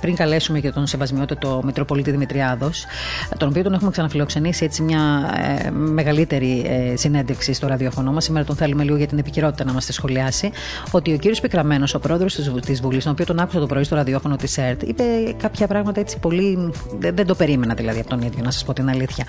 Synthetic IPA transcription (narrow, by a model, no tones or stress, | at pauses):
pɾiŋkɐle̞sumecet̪o̞nsevɐzmio̞t̪it̪et̪omit̪ɾopo̞lit̪iðimit̪ɾiɐðo̞s | t̪o̞no̞pio̞t̪o̞ne̞xumeksɐnɐfilo̞kse̞nisiet͡simɲɐ̰ | me̞ɣɐlit̪e̞ɾisine̞nd̪efksist̪oɾɐðio̞fo̞no̞mɐsimeɾɐt̪o̞nθe̞lume̞liɣoʝɐt̪inepiçiɾo̞t̪i̥t̪ɐnɐmɐst̪esxo̞liɐsi | o̞t̪io̞ciɾiospikɾɐme̞no̞so̞pɾo̞e̞ðɾost̪izvulist̪oopio̞t̪o̞nɐkusɐt̪opɾoist̪o̞ɾɐðio̞fo̞not̪iseɾt̪ḭpe̞kɐpçɐpɾɐɣmɐt̪ɐet͡si̥po̞liðend̪o̞pe̞ɾime̞nɐðilɐðiɐpo̞t̪oniðʝo̞nɐsɐ̥spot̪inɐliθçɐ